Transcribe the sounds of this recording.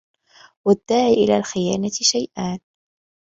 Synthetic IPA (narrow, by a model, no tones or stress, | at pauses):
wad̪ːaːʕiːʔɪla̰ːlxɪjaːnat̪ʃajʔaːn